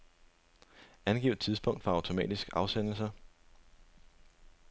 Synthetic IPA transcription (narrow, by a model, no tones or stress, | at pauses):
ænɡ̥ḭːʊd̥t͡sʰiðˠsb̥ʰɔ̽ŋ̰d̥fɑ̈ɑ̈ʊt͡sʰo̝mɛ̰ːd̥isɡ̥ɑ̈ʊsen̰l̩sɐ